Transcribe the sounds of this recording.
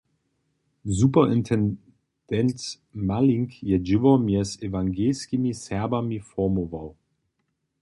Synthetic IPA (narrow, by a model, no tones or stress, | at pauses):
zupɐɪntʰɛn | d̥ɛnt | maliŋkjɛd͡ʒuɐmiɐsevaŋɡelskimisɛɐbɐmifɔɐmovaʊ